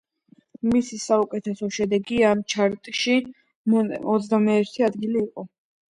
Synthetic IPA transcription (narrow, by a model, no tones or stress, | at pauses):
misisaukʼɛt̪ʰɛsɔʃɛd̪ɛɡiamt͡ʃʰaɾt̪ʼʃi | mɔd̪zd̪amɛːɾt̪ʰiad̪ɡiliːqʼɔ